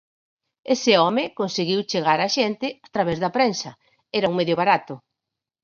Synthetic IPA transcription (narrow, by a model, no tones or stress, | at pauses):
esɪɔmɪkonseɣiwt͡ʃeɣaɾaʃent̪ɪat̪ɾaβɛzðɐpɾensɐ | ɛɾɐuŋmeðjʊβaɾat̪ʊ